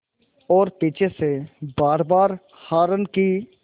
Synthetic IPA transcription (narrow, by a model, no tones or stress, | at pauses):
ɔːɾpiːt͡ʃʰesebaːɾbaːɾ | haːɾənki